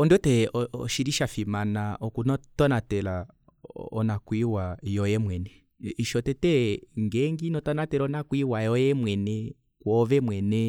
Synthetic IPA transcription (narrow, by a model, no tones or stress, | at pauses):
ɔndɔtɛɔɔʃiɾiʃafimanaʔɔkunɔtɔnatɛla | ɔnakwiwajɔjɛmwɛnɛ | iʃɔtɛtɛŋɡɛŋɡinɔtɔnatɛɾɔnakwiwajɔjɛmwɛnɛ | kwɔvɛmwɛnɛ